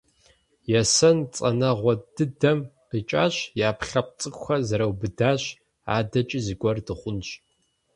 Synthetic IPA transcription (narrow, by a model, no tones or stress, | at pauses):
jɛsɐnt͡sʼɐ̰nɐʁʷɔdɨdɐm | rit͡ʃʼaːɕjaːpɬɐp̚t͡sʼɨkʷʼxʷɐzɐɾɐwbɨdaːɕ | a̰ːdɐt͡ʃʼizɨɡʷɔrdɨχʷʊnɕʼ